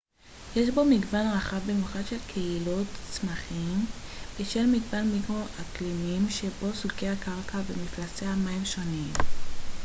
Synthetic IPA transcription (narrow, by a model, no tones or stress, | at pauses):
jeʃbo̞miɡvanʁaχavbimjuχadʃe̞lkʰe̞ilo̞tt͡smaχimbiʃelmiɡvanmikʁo̞ʔaklimimʃe̞bo̞sukeakaʁkavemiflaseamaimʃo̞nim